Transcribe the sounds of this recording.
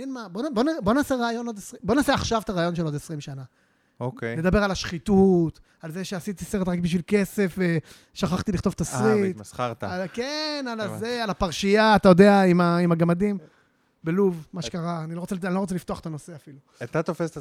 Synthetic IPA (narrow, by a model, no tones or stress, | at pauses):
inmabonbo̞nabo̞naːseʁaːjo̞no̞d̪esʁibo̞naːseaχʃavt̪aʁaːjo̞nʃelo̞d̪esʁimʃana | okele̞d̪abe̞ʁalaʃχit̪ut | alzeʃeasit̪iseʁetʁakbiʃvilke̞se̞fve | ʃaχaχt̪iliχt̪o̞vt̪asʁitaʁt̪akenalazealapaʁʃijaːt̪ajo̞d̪e̞aimaimaɡamad̪im | beluvmaʃekaʁaːnilo̞ʁot͡seanilo̞ʁot͡selift̪oaχe̥t̪ano̞se̞afilu | at̪at̪ofest